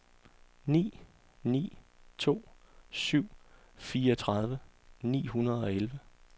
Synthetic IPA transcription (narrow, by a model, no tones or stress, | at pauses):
nḭː | nḭːt͡sʰo̝̰ːsyʊ̰ | fiːɐɒt͡sʰʁɑðˠʋənḭːɦunɐð̞ˠɒ̽elʋə